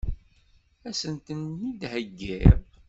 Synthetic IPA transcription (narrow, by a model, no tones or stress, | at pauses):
æsənt̪ənːid̪həɡːiɾ